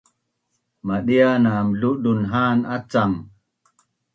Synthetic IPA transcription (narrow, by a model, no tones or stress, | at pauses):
maɗijanamluɗunɦaːnat͡sam